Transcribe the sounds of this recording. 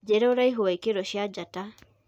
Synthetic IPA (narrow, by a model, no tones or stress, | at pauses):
d͡ʒeɾɛoɾaiɦowaikeɾɔʃjad͡ʒata